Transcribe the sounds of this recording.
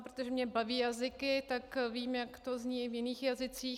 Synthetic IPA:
pɾot̪oʒɛmɲɛbaviːjazɪkɪt̪akviːmjakt̪ozɲivjɪniːxjazɪt͡siː

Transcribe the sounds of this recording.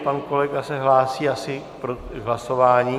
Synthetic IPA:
panko̞lɛɡasɛɦlaːsiːasɪ | pɾoɦlaso̞vaːɲiː

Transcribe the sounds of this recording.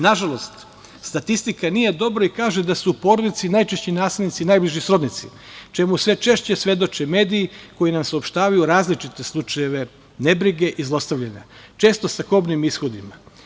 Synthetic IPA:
naʒalˠo̞st̪ | st̪at̪ist̪ikanije̞d̪o̞bɾoikaːʒe̞d̪asuːpo̞ɾo̞d̪it̪sinajt͡ʃe̞ʃt͡ɕinaːslelnit̪sinajbliʒisɾo̞d̪nit̪sḭ | t͡ʃe̞musʋe̞t͡ʃe̞ʃt͡ɕe̞sʋe̞d̪o̞t͡ʃeme̞ːd̪iːko̞jinamsaopʃt̪aːʋajuɾaːzlit͡ʃit̪e̞slˠut͡ʃaje̞ʋe̞ | ne̞bɾiɡe̞ʔizlˠo̞st̪aʋʎaɲa̰t͡ʃe̞ːst̪o̞sakobnimisxo̞d̪ima

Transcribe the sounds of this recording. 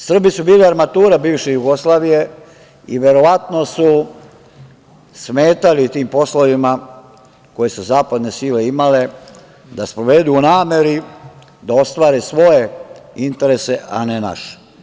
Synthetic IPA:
sr̩bisubiːliaɾmat̪uːɾabiːʋʃejuɡo̞slaːʋije̞ | iʋe̞ɾo̞ʋat̪no̞su | smeːt̪alit̪iːmpo̞sloʋima | ko̞je̞suzaːpad̪ne̞siːle̞imale̞ | d̪aspɾoʋe̞d̪uunaːme̞ɾi | d̪ao̞st̪ʋaːɾesʋo̞je̞int̪e̞ɾe̞se̞ʔa̰nena̰ʃe̥

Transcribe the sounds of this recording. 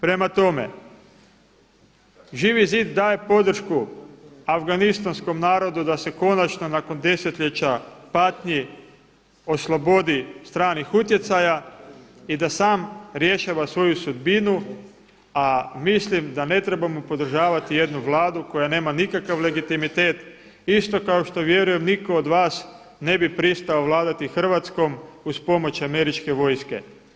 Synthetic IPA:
pɾe̞mat̪o̞me̞̰ | ʒiːʋiziːd̪ːaːje̞po̞d̪r̩ʃkuafɡanist̪ansko̞mnaːɾo̞d̪ud̪ase̞ko̞nat͡ʃno̞nako̞nd̪e̞se̞t̪ʎet͡ɕapat̪ɲi | o̞slˠo̞bo̞d̪ist̪ɾaːnixut̪je̞t̪saja | id̪asaːmɾje̞ʃaʋasʋo̞jusud̪binu | amislimd̪ane̞t̪ɾe̞bamopo̞d̪r̩ʒaːʋat̪ije̞d̪nuʋlˠaːd̪uko̞jane̞ːmanikakaʋle̞ɡit̪imit̪e̞ːt̪ | ist̪o̞kao̞ʃt̪o̞ʋje̞ɾuje̞mniko̞ːd̪ʋaːs | ne̞bipɾist̪aoʋlˠaːd̪at̪ixr̩ʋat̪sko̞muspo̞mo̞t͡ɕame̞ɾit͡ʃke̞ʋo̞jske̞̰

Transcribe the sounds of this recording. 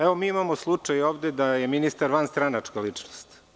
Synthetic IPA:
eʋomiːimamoslˠut͡ʂajoːʋd̪ed̪aje̞minist̪aɾʋanst̪ɾanat͡ʂkalit͡ʂnost̪

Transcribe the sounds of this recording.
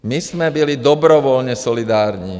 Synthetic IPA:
mizmɛbilid̪ɔbɾɔʋɔlɲɛsɔlid̪aːɾɲḭː

